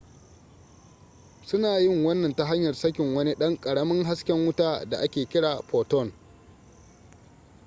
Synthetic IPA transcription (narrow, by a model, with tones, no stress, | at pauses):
sʊ˦naː˨jɪ˦ŋwɐ˦nːɐ˨nta˦ɦa˦ɲjɐ˨rsɐ˦kʲɪ˨ŋwɐ˦ni˦ɗɐ˦ŋkʼɐ˨ɽɐ˦mɐ˦ŋɦa˦skʲɛ˦ŋwʊ˦taː˦da˨ʔa˦kʲeː˨kʲɪ˦ɽaː˨ɸoː˨tɔ˦˨n